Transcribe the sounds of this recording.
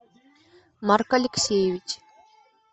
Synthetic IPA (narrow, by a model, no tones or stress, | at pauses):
markɐlʲɪksʲejɪvʲit͡ɕ